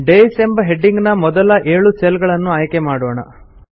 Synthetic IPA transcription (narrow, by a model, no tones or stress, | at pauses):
ɖejsembɐɦe̞ɖːiŋɡnɐmɔd̪ɐlɐʔeːɭuselɡɐɭɐnːuaːjkemaːɽoːɳɐ̰